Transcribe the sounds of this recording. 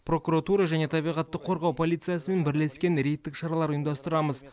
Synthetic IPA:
pro̞kuɾat̪uɾɑʒæne̞t̪ʰɑbijʁɑt̪ːəqʰːo̞ɾʁɑwpʰo̞lˠijt̪sɨjasəme̞nbɪɾle̞skʲe̞nɾe̞jt̪ːɪkʃɑɾɑlˠɑɾʊjənd̪ɑst̪əɾɑməz

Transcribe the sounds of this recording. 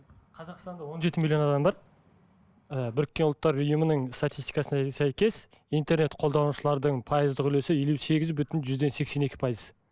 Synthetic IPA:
qʰɑzɑqst̪ɑnd̪ɑwo̞nʒe̞t̪ɪmilʲˠjo̞nɑd̪ɑmbɑɾ | əbʏɾɪk̚ʲːe̞nʊlˠt̪ːɑɾʏjumənəɴst̪at̪ijst̪i̥jkɑsənɑsæjkʲe̞s | ijnt̪eɾne̞t̪qʰo̞lˠd̪ɑnuʃəlˠɑɾd̪əɴpʰɑjəzd̪əqʏle̞sɪje̞luse̞ɡʲɪzbʏt̪ɪnʒʏzd̪e̞nse̞kse̞ne̞kʲɪ̥pʰɑjəz

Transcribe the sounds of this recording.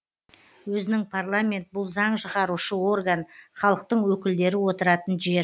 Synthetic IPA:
wɵzɪnɪŋpʰarlˠamʲe̞nt̪̚bʊlˠzɑɴʃəʁɑɾuʃəo̞rɡanχɑlˠəq̚t̪əɴwɵkʲɪld̪e̞ɾɪwo̞t̪əɾɑt̪ənʒe̞ɾ

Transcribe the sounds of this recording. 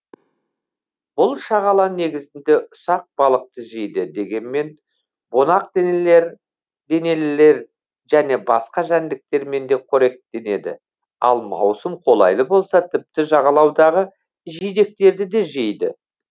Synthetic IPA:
b̥ʊlˠʃɑʁɑlˠɑne̞ɡʲɪzɪnd̪e̞ʔʊsɑq̚bɑlˠəq̚t̪əʒejd̪ɪd̪e̞ɡʲe̞nme̞n | bo̞nɑq̚d̪enele̞ɾ | d̪e̞ne̞lɪle̞ɾ | ʒ̥æne̞bɑsqɑʒænd̪ɪk̚t̪e̞ɾme̞nd̪e̞kʲʰɵɾe̞k̚t̪e̞ne̞d̪ɪ̰ | ɑ̰lˠmɑ̰wsəmqʰo̞lˠɑ̰jlˠəbo̞lˠsɑt̪ʰɪp̚t̪ɪʒɑʁɑlˠɑwd̪ɑʁə | ʒijd̪e̞k̚t̪e̞ɾd̪ɪd̪e̞ʒejd̪ɪ̰

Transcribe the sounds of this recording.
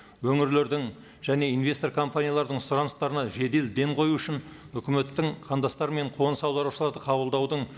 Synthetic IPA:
wɵŋɪɾle̞ɾd̪ɪŋ | ʒ̥æne̞ijnvʲe̞st̪o̞ɾkʰo̞mpanʲijalˠɑɾd̪əɴsʊɾɑnəst̪ɑɾənɑʒe̞d̪e̞ld̪e̞ɴqʰo̞juʏʃɪn | ʏkʲɪme̞t̪ːɪŋqʰɑnd̪ɑst̪ɑɾme̞ɴqʰo̞nsɑwd̪ɑɾuʃəlˠɑɾd̪əqʰɑbəlˠd̪ɑwd̪əɴ

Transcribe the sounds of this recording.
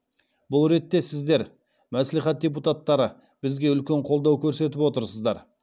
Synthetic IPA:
bʊlˠɾe̞t̪ːe̞sɪzd̪e̞ɾ | mæsleχæt̪̚dʲep̬ut̪at̪ːɑɾə | b̥ɪzɡʲe̞ʏlkʲe̞ɴqʰolˠd̪ɑwkʲʰɵɾse̞t̪̬ɪpwo̞t̪əɾsəzd̪ɑɾ

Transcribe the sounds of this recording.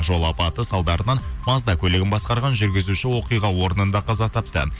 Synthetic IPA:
ʒo̞lˠɑpɑt̪əsɑlˠd̪ɑɾənɑnmɑzd̪ɑkʲʰɵleɡʲɪnbɑsqɑɾʁɑnʒʏɾɡʲɪzuʃɪwo̞qijʁɑwo̞ɾənənd̪ɑqʰɑzɑt̪ʰɑp̚t̪ə̰

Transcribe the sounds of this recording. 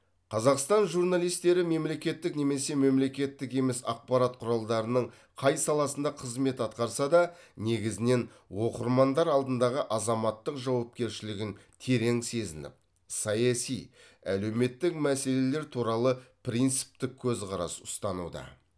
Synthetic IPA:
qʰɑzɑqst̪ɑnʒuɾnɑlˠijst̪e̞ɾɪme̞mle̞kʲe̞t̪ːɪkne̞me̞se̞me̞mle̞kʲe̞t̪ːɪke̞mɪsɑ̰q̚pɑɾɑt̪̚qʰʊɾɑlˠd̪ɑɾənəɴ | qʰɑjsɑlˠɑsənd̪ɑqʰəzme̞t̪ɑt̪qɑɾsɑd̪ɑne̞ɡʲɪzɪne̞n | wo̞qəɾmɑnd̪ɑɾɑlˠd̪ənd̪ɑʁəʔɑzɑmɑt̪ːəqʒɑwɑp̚kʲe̞ɾʃɪlɪɡʲɪnt̪ʰe̞ɾe̞ŋse̞zɪnɪ̰p̚ | sɑjɑsij | æ̰le̞wme̞t̪ːɪkmæse̞le̞le̞ɾt̪ʰuɾɑlˠəpɾint̪si̥p̚t̪ɪk̚ʲʰːɵzqʰɑɾɑ̰sʊst̪ɑnṵd̪ɑ̰

